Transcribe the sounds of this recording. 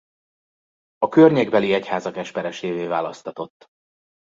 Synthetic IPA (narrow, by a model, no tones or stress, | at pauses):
ɒkørɲeɡbɛliɛchaːzɒkɛʃpɛɾɛʃeːveːvaːlɒst̪ɒt̪o̞t̪ː